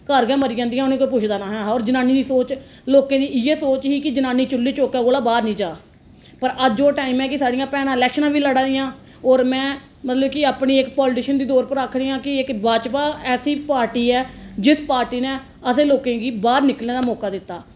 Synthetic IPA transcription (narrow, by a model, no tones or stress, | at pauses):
kəɾɡɛ̃ːməɾiːd͡ʒãːnd̪ijãʊnẽːkoːp̬ʊt͡ʃʰd̪aːnaːɦɛːɔːɾd͡ʒənaːniːd̪iːsoːt͡ʃ | loːkẽːd̪iːɪjeːsoːt͡ʃɦiːkɪd͡ʒənãːniːt͡ʃʊlːiːt͡ʃoːkãːɡoːlaːbaːɾnĩːd͡ʒaː | pəɾʔəd͡ʒoːʈaːimɛ̃ːkɪsaːɖɪjãːpɛːnãːɪlɛːkʃənãːʋiːləɽãːd̪ɪjãː | ɔːɾmɛ̃ː | mət̪ləbkɪaːpɳiːɪkpɔːlʈɪːʃənd̪iːd̪ɔːɾpəɾakʰɽiːãːkɪɪkbaːd͡ʒpaːɛːsiːpaːɾʈiːɛːd͡ʒɪspaːɾʈiːnẽː | əsẽːloːkẽːɡiːbaːɾnɪkəlneːd̪aːmɔːkaːd̪ɪt̪ːaː